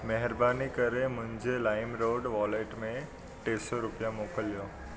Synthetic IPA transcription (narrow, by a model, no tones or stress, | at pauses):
mɛɦɪɾbaːnikəɾemʊ̃ɦɪ̃ɲd͡ʒelaːɪmɾoːɖʋɔːleːʈmẽ | ʈeːsɔɾʊpjãmoːkəljoː